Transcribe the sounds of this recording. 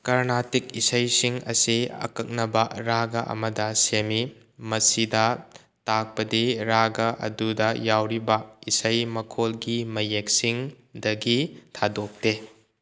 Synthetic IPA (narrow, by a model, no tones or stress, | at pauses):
kɐɾnatikisɐjsiŋɐ̰siɐ̰kɐk̚nɐbɐɾaɡɐʔɐ̰mɐdɐsemi | mɐsidɐ | tak̚pɐdiɾaɡɐʔɐ̰dudɐjawɾibɐisɐjmɐkʰolɡimɐjek̚siŋ | dɐɡitʰadok̚te